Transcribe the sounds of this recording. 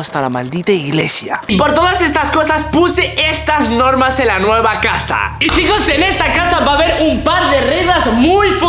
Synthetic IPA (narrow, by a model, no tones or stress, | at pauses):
ast̪alama̰ld̪it̪aiɣlḛsja̰po̞ɾt̪o̞ðase̞st̪asko̞saspuseʔest̪azno̞ɾmasenlanwe̞βakasa̰it͡ʃiko̞se̞ne̞st̪akasaβaβe̞ɾumpaɾðe̞riβazmujf